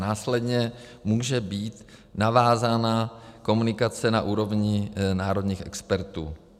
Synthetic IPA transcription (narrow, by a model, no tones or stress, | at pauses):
naːslɛd̪ɲɛmuːʒɛbiːt̪navaːzaːnako̞munɪkat͡sɛnaʔuːɾo̞vɲɪnaːɾod̪ɲiːxʔɛkspɛɾt̪ṵː